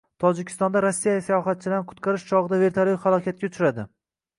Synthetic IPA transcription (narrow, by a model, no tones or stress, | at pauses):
t̪ʰɒd͡ʒɪkʲʰɪ̥st̪ɒnd̪aɾosːijasajɒχat̪̚t͡ʃʰɪlaɾnɪqʰʊ̥t̪qʰɑɾɪʃt͡ʃʰɒʁɨd̪ave̞ɾt̪ʰalihalˠɒkʲʰat̪̚kʲat͡ʃʰɾad̪ɪ